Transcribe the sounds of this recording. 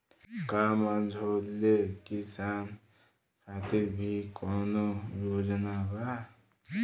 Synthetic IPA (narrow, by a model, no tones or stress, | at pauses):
kamʌnd͡ʒʱolːekisan | kʰat̪iɾbʱikɔnojod͡ʒnaba